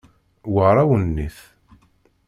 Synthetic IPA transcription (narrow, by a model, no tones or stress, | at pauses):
wəɾˤawənːiθ